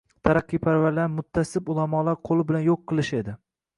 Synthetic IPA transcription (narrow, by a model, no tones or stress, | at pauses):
t̪ʰaɾɑqːijpʰaɾvaɾlaɾmʊt̪ʰːasɪbulˠamɒlˠaɾqʰolˠɪbɪlanjoqʰːɨlˠɪʃe̞d̪ɪ